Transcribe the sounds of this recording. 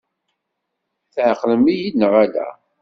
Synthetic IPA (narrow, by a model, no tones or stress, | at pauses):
θʕqːləmijinːəʁælæ̰